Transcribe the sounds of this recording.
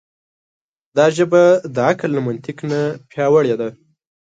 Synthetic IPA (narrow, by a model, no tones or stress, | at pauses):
d̪ɑʒəbad̪əaklːamʊnt̪ɪknapjɑwəɽed̪a